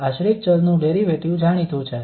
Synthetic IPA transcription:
aʃɾikt͡ʃəlnũɖeɾiʋeʈjũd͡ʒʱaɽ̃it̪ʰũt͡ʃʰe

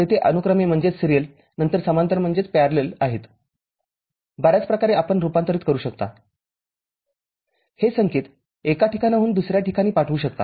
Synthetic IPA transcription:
et̪ʰeʔənukɾəmem̤əɳd͡zet͡ssɾijəl | nənt̪əɾsəmant̪əɾm̤əɳd͡zet͡speaɾlelaɦet̪ | bəɾjat͡spɾəkaɾeapəɳɾupant̪əɾiːt̪kəɾuːɕəkt̪a̰ | hesəŋket̪ | ekaʈikʰanaɦuːnd̪usɾjaʈikʰaniːpaʈʰʋuːɕək̚t̪a̰

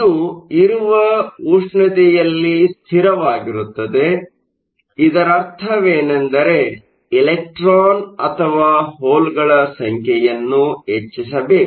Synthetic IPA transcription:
uiɾuʋɐuʂɳɐt̪ɛjɐlːist̪ʰiɾɐʋaːɡiɾut̪ːɐd̪e̞ | id̪ɐɾɐɾt̪ʰɐʋeːnɐnd̪ɐɾe̞ | ilek̚ʈɾaːnɐt̪ʰɐʋaːɦoːlɡɐɭɐsɐŋkʰjɛjɐnːuɦet͡ʃːis̬ɐbeːku

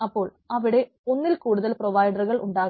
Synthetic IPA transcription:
ɐpːo̞ːɭ | ɐʋiɽe̞ | o̞nːilkuːɽuðɐlproʋɐjɖɐrɣɐɭʔuɳɖaːɣ

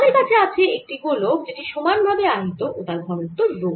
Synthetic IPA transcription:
d̪eɾkat͡ɕʰeat͡ɕʰeek̚ʈiɡolokd͡ʑeʈiʃomanbʱabeaɦit̪oʔot̪aɾbʱɔɾot̪ːoɾlo

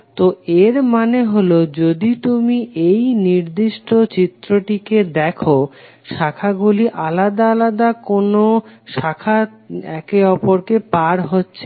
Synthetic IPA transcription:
t̪oeɾmaneɦolod͡ʑod̪it̪umiʔejniɾd̪iʃʈot͡ɕit̪ːɾoʈiked̪ɛkʰo | ʃakʰaɡuliʔalad̪aalad̪akonoʃakʰa | ɛ̰keɔpoɾkepaɾɦotːɕʰe

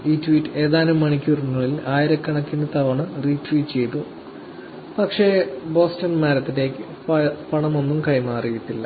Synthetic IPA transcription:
iːtʋiːʈːɨe̞ːðaːnumːɐɳikʲːurinuːɭilaːjiɾɐkːɐɳɐkːind̪ɐt̪ɐʋɐɳɨriːtʋiːʈt͡ɕe̞jt̪ːu | pɐkʂe̞bo̞ːstɐnmaːɾɐt̪ːinde̞kːɨ | pɐɳɐmo̞nːumkɐjmaːrijit̪ːilːɐ

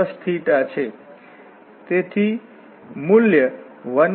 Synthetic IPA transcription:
əst̪ʰiʈat͡sʰe | t̪et̪ʰi | muljə | ʋʌn

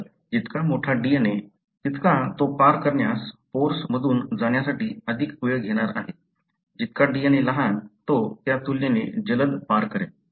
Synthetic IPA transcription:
d͡ʑit̪kamoʈʰaɖijene | t̪it̪kat̪opaɾkəɾɳjasfoɾsməd̪ʱuːnd͡zaɽ̃jasaʈiːəd̪ʱikjoɡɡʱeɽ̃aɾa̰ɦe | d͡ʑit̪kaɖijeneləɦat̪ot̪jat̪ulːened͡ʑələd̪paɾkəɾḛ

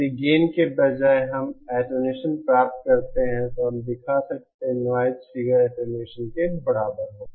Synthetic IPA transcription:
iɡeːnkebɐd͡ʒaːeɦɐmɛːʈoneːʃənpɾaːp̚t̪̚kɐɾt̪eɦɛ̃t̪oɦɐmd̪ɪkʰasɐk̚t̪eɦɛ̃nʋaːjt̪fiɡəɾɛːʈoneːʃənkebɐɽaːbəɾɦõː

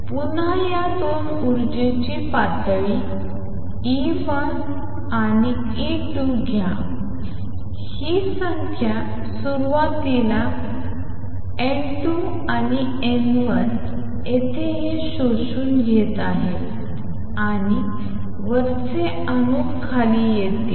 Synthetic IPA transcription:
punajad̪on | uɾd͡ʑet͡ɕipat̪ɭi | i | ʋa | ani | e | ʈu | ɡʱjã | hisəŋkʰja | suɾʋat̪ila | e | ʈu | ani | enʋəɾ | et̪eɦeɕoɕuːnɡʱet̪aɦe | aɽi | ʋəɾ | t͡se | ənukkʰːalijet̪ḭː

